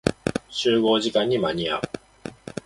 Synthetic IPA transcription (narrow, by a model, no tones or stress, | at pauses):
ɕʰɯɡod͡ʑikaɲimaɲija̰